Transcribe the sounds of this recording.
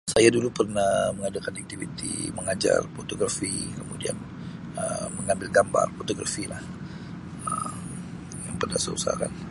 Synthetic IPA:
sajadulupərnahməŋadakanak̚t̪ivit̪ḭməŋad͡ʒa̰rfot̪oɡɾafikəmudia̰n | əməŋambɪlɡamba̰rfot̪oɡɾa̰filah | əm | jaŋpərnahsəusaa̰ka̰n

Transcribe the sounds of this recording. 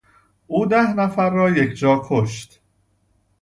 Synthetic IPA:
ʔuːd̪æhnæfæɾːɒːjecʰd͡ʒɒːkʰoʃt̪

